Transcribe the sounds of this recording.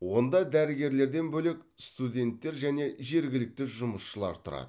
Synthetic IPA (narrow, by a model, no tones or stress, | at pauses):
wo̞nd̪ɑd̪æɾɪɡʲe̞ɾle̞ɾd̪e̞nbɵle̞kst̪ud̪ʲe̞nt̪ːe̞ɾʒæne̞ʒe̞ɾɡʲɪlɪk̚t̪ɪʒʊməsʃəlˠɑ̰ɾt̪ʰʊɾɑ̰d̪ə